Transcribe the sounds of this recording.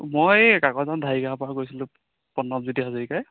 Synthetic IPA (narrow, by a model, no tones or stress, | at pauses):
mojkakɔzandʱaiɡaapɹakojsilʊ̃ | pɔnːɔb̚zidiɦazɔɹikaj